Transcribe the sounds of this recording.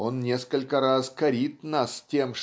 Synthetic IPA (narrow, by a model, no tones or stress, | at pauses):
onːʲeskəlʲkəɾɑzkɐɾʲit̪nɑstʲemʂ